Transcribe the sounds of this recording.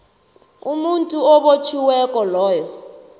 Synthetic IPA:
umuntʼuɔɓot͡ʃʰiwɛkʼɔlɔːjɔ

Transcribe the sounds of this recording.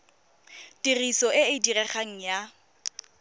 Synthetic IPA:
dirisɔɪɪdirɛχaŋ̩ja

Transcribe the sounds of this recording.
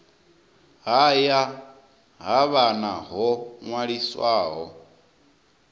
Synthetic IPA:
ɦaja | ɦaβanaɦɔŋwaɺiswaːɦɔ

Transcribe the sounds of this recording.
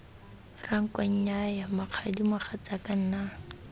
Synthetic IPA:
raŋ̩kaɲ̩ɲajamaq͡χʰadimʊχat͡sakan̩na

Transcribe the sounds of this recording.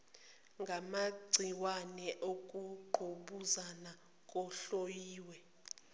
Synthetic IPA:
ŋɡʱamaɡ͡ǀʱiwanɛʔok̬ʼuǃʱoɓuzana | k̬ʼɔɬojiːwɛ

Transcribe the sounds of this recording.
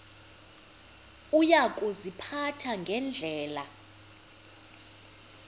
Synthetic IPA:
ujak̬ʼuzipʰatʰaŋɡʱɛnd͡ɮʱɛːla

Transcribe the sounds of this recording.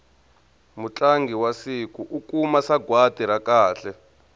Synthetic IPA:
mut͡ɬʼaŋɡʱiwasikuʔukumasaɡwatiɾakaːɬɛ

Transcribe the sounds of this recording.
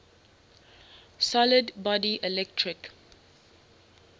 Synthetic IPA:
sɔlɪdbɔdiʔɛlɛk̚tʰɹɪk

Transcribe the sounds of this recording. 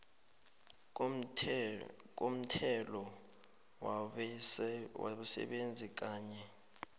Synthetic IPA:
k̬ʼom̩tʰɛlɔ | waɓusɛ̰ɓend͡zʱik̬aːɲɛ

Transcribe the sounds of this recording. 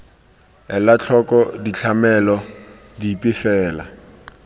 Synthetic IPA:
ɛlat͡ɬʰɔkʼɔdit͡ɬʰamɛlɔ | dipʼɪfɛːla̰

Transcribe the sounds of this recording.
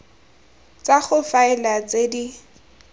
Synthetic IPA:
t͡saχʊfaɪlat͡sedi

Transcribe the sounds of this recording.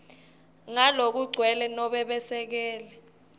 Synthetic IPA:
ŋalok̬uɡ͡ǀʱwɛlɛnɔɓɛɓɛsɛk̬ɛːlɛ

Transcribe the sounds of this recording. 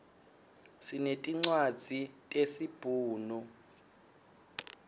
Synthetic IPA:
sinetʼiŋ͡ǀwad̥z̥ʱitʼesib̥ʱuːnu

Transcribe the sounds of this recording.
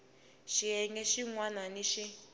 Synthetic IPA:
ʃiɛŋɛʃiŋwananiʃi

